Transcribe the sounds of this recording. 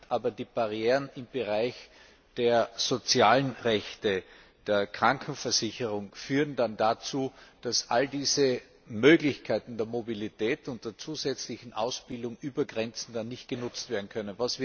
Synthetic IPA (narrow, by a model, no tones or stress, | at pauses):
ʔaːbɐdiːb̥aʁjeːʁənɪmb̥əʁaɪç | d̥eːɐz̥ot͡sjaːlənʁɛçtə | d̥eːɐkʁ̥aŋkʰn̩fɛɐz̥ɪçəʁʊŋfyːʁəndandat͡suːd̥asʔaldiːzə | møːɡlɪçkʰaɪtn̩d̥eːɐmobilitɛːtʊnt̚d̥eːɐt͡suːzɛt͡slɪçn̩ʔa̰ʊsb̥ɪldʊŋʔyːbɐɡʁɛnt͡sn̩danːɪçt̚ɡ̥ənʊt͡stv̥eːɐdn̩kʰœnənvasv̥ɪ